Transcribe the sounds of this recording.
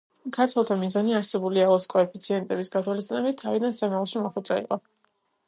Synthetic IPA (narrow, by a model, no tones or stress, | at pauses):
kʰaɾt̪ʰwɛlˠt̪ʰamizaniaɾsɛbuliaɔskʼɔɛpʰit̪sʰiɛnt̪ʼɛbisɡat̪ʰwalist̪ʼinɛbit̪ʰːavid̪ansamɛlˠʃimɔχwɛd̪ʼɾaḭqʼɔ